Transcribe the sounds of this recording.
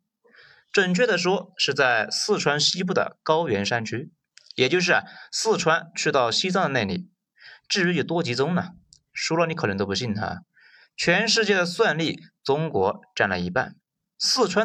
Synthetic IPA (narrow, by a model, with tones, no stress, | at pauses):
ʈ͡ʂə˥˨˩nt͡ɕʰɥɛ˥˩d̪ə˩ʂ̬wɔ˥ʂɻ̩˥˧t͡sa˥˧ɪsɹ̩˥˩ʈ͡ʂʰwa˥nɕi˥p̬u˥˩d̪ə̰˩kɑ˥ʊɥɛ˧˥nʂa˥nt͡ɕʰy˥ | jɛ˨˩t͡ɕjo˥˧ʊʂ̬ɻ̩˥˩sɹ̩˥˩ʈ͡ʂʰwa˥nt͡ɕʰy˥˧t̪ɑ˥˩ʊɕi˥t͡sɑ˥ŋd̪ə˧ne˥˩ɪli˨˩ | ʈ͡ʂɻ̩˥˩ɻy˧˥ji˨˩t̪wɔ˥t͡ɕi˧˥t͡sʊ˥ŋnə˨ | ʂu˥lə˧ni˧˥k̪ʰə˧˥ŋt̪o˥˩pu˧˥ɕi˥˩nt̪ʰa̰˥ | t͡ɕʰɥɛ˧˥nʂɻ̩˥˧t͡ɕjɛ˥˩d̪ə˩swa˥˧nli˥˩t͡sʊ˥ŋkwɔ˧˥ʈ͡ʂa˥˩nlə̰˩i˧˥pa̰˥˩n | sɹ̩˥˩ʈ͡ʂʰwa˥